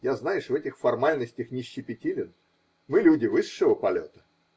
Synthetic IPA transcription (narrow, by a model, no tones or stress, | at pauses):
jaznajɪʂvɛtʲɪxfɐrmalʲnəsʲtʲɪxnʲɪɕːɪpʲɪtʲilʲɪn | mɨlʲudʲɪvɨʂːəvəpɐlʲo̰t̪ə̥